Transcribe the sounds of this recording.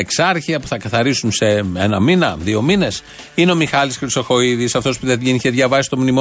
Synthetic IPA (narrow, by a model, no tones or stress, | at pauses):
eksɐɾçiɐpu̥θɐkɐθɐɾisunse̞enɐminɐðio̞mine̞s | ineomixɐlisxɾiso̞xo̞iðisɐft̪o̞spuðeʝiniçeðʝɐvɐsi̥st̪o̞mnimo